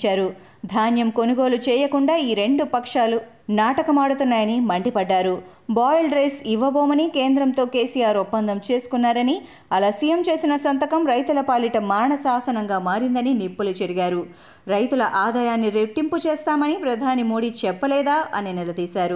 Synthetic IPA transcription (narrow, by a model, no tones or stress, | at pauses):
aːɾu | d̪ʱaːnjɐmko̞nuɡo̞ːlut͡ʃɛːjɐkuɳɖaːiːɾe̞ɳɖupɐkʂaːlu | naːʈɐkɐmaːɽut̪unːaːjɐnimɐɳɖipɐɖːaːɾu | baːjlɖɾejsiʋɐboːmɐnikeːnd̪ɾɐmt̪o̞ːke̞ːsijaːɾupːɐnd̪ʱɐmt͡ʃe̞ːsu̥kunːaːɾɐni | ɐlaːsiːjɐmt͡ʃe̞ːsinɐsɐnt̪ɐkɐmɾɐjt̪ulɐpaːliʈɐmaːɾɳɐsaːsɐnɐŋɡaːmaːɾind̪ɐninipːulut͡ʃɐɾiɡaːɾu | ɾɐjt̪ulɐʔaːd̪aːjaːnːiɾeʈːimput͡ʃeːst̪aːmɐnipɾɐd̪ʱaːnimo̞ːɽiːt͡ʃɛpːɐlɛːd̪aːʔɐninilɐd̪iːsaːɾu